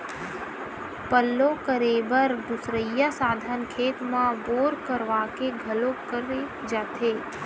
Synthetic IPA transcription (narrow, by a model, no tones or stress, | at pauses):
pəlːõkəɾeːbəɾd̪ʊsɾəjːasaːd̪ʱənkʰeːt̪mãboːɾkəɾʋaːkeɡʱɐlokəɾe | d͡ʒaːt̪ʰeː